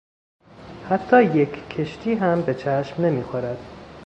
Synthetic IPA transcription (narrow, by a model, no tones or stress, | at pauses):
hæt̪ʰːɒːjekːʰe̞ʃt̪ʰiːɦæmbe̞t͡ʃʰæʃmne̞miːxoɾæd̪̥